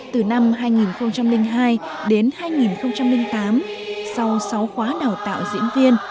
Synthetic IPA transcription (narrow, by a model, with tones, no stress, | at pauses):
t̪ɨ˨˩na˧mɦaː˧jŋi˨˩nxə˧wŋ͡mt͡ɕa˧mlï˧ŋɦaː˧jɗe˨˦nhaː˧jŋi˨˩nxə˧wŋ͡mt͡ɕa˧mlï˧ŋ̟t̪aː˨˦msa˧wsa˨˦wxwaː˨˦ɗaː˨˩wt̪a̰ː˧˨wzḭ˧˥ənvi˧ən